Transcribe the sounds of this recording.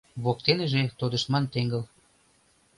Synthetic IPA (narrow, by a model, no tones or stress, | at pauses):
βok̚t̪eneʒet̪od̪ə̆ʃmɑnt̪eŋɡəl